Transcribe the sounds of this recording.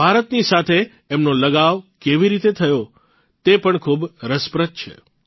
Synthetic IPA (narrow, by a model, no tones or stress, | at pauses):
bʱaɾət̪nisat̪ʰeː | mnoləɡaʋkeʋiɾit̪et̪ʰəjo | t̪epəɳkʰubɾəspɾət̪̚t͡ʃʰḛ